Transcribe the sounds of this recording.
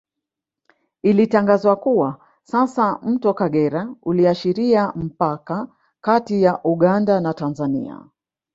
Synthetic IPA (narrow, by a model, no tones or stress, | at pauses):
ilitaŋɡazwakuwa | sasam̩tɔkaɠɛɾauliaʃiɾiam̩paka | katijaʔuɠandanatanzanḭa̰